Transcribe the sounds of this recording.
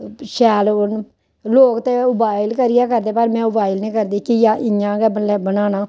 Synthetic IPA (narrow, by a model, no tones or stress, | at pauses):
ʃɛːlʊn | loːkt̪eːʊbaːɪlkəɾɪjaːkəɾd̪eːpəɾmɛ̃ːʊbaːɪlnĩːkəɾd̪iːkijaːʔɪjãːɡɛːbəɛːbənaːnãː